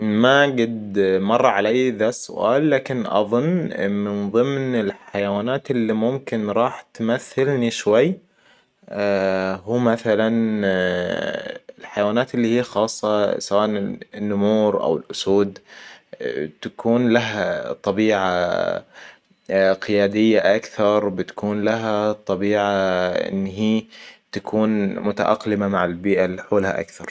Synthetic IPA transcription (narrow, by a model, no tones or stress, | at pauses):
maɡad̪mɑrˤːɑʕalajːðasʊ̰ʔa̰ːlːaːkɪnʔɑ̰ðˤʊnːmɪnðˤɨmnɪlħajawaːnaːt̪ɪlːimʊmkɪnɾˤɑːħt̪maθːalniʃwajː | huːmaθalan | ɪlħajawaːnaːt̪ɪlːiːhiːxɑːsˤːɑsawaːʔɪnːʊmuːɾʔa̰wɪlʔʊsuːd̪ | t̪akʰuːnlaɦat̪ˤːɑbiːʕa | qɪjaːd̪ɪjːaʔakθɑɾˤbɪt̪ḁkuːnlaɦat̪ˤɑbiːʕaʔɪ̰nːɦiːt̪akʰuːnmʊt̪a̰ʔɑ̰qlɪmamaʕɪlbiːʔaliħuːlha̰ʔa̰kθɑɾˤ